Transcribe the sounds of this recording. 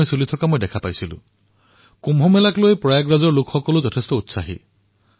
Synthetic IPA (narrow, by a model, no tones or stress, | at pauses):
jsulitʰɔkamojdɛkʰapajsilʊ̰̃ | kumɦɔmɛlaklojpɹɔjaɡɹazɔɹlʊkʰxɔkɔlʊzɔtʰestɔutsaɦḭ